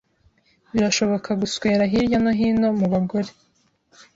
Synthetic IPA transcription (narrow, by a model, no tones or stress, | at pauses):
βiɾaʃo̞βo̞kʰaɡusweːɾaɦiɾjanoɦiːno̞muβaɡo̞ɾe̞